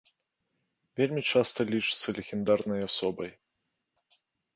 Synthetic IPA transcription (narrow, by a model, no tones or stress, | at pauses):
vʲelʲmʲit͡ʂast̪ɐlʲit͡ʂɨ̥t̪sːɐlʲeɣʲɪnd̪arnɐjasɔbɐj